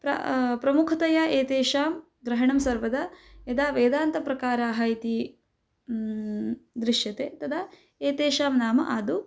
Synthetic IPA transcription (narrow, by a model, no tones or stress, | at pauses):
pɾɐ̰pɾɐmukʰɐt̪ɐjaʔeːt̪eːʃaːm | ɡɾɐɦɐɳɐmsɐɾʋɐd̪ɐed̪aːʋeːd̪aːnt̪ɐpɾɐkaːɾɐɦaːjt̪i | d̪ɾiʂʃjɐt̪eːt̪ɐd̪ɐ | eːt̪eːʃaːmnaːmɐʔaːd̪u